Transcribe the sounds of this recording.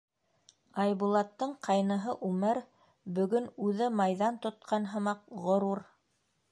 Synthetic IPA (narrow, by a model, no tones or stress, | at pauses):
ɑjβulˠɑt̪ːɤɴqʰɑjnɤ̆ɦɤʔʉmɘɾ | bɵ̆ɡɵnʉðɘmɑjðɑnt̪ŏt̪̚qʰɑnɦɤ̆mɑq̚ʁŏɾuɾ